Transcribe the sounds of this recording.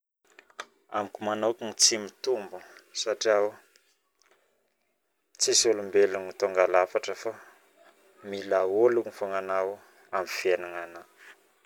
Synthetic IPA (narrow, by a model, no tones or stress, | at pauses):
amikumanokiŋit͡simit̪umbusaʈ͡ʂiaw | t͡sisulumbeluŋit̪oŋɡalafaʈ͡ʂəfa | milaoluŋifoŋanaw | amfenaŋana